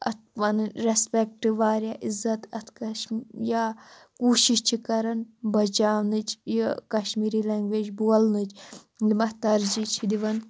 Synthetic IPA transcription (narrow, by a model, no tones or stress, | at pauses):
ɐt̪̚ʰʋɐnɾespek̚ʈiʋaːɾjaːʔizɐt̪ɐt̪ʰkɐʃjaː | kuːʃiʃt͡ʃʰikɐɾɐnbɐt͡ʃaːʋnɨt͡ʃjkɐʃmiːɾilɐŋɡʋeːd͡ʒbuɐlnɨt͡ʃlimɐht̪ɐɾd͡ʒit͡ʃʰid̪iʋɐn